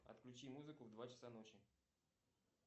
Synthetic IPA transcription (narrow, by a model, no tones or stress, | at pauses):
ɐ̰t̪klʲʉt͡ɕimuzɨkʊvd̪vat͡ɕɪ̥sano̞t͡ɕɪ